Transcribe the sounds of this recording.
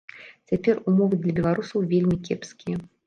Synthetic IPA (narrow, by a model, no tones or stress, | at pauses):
t͡sʲapʲɛrumɔvɨd̪lʲɐbʲɛlˠaɾusɐwvʲelʲmʲikʲɛpskʲijɐ